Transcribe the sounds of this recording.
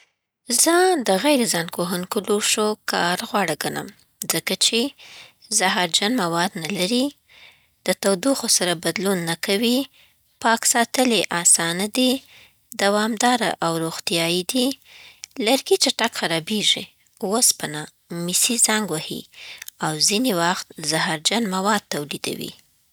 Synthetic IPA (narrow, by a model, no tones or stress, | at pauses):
zəd̪əɣajɾezɑnkoɦənkʊluʂokɑɾɣwɑɽəɡana̰m | zəkat͡ʃe | zaɦɑɾd͡ʒanmawɑd̪nalaɾi | d̪̥ət̪awd̪uxosaɾabad̪lunːakawi | pɑksɑt̪əleʔɑsɑnad̪i | d̪awɑmd̪ɑɾa̰ʔawɾoɣt̪ijɑjid̪i | laɾɡit͡ʃaʈakxaɾɑbeʒi | wospana | misizaŋɡwahḭawzinewaxt̪zahɑɾd͡ʒanmawɑd̪̚t̪awlid̪a̰wḭ